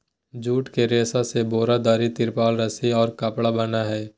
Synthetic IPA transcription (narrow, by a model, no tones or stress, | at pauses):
d͡ʒuːʈkeɾeːsaseboːɾad̪aːɾit̪ɪɾpaːlɾəsiɔːɾkapɽabənaɦɛː